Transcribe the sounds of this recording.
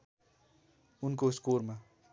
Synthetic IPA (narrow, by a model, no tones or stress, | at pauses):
unkoskoɾma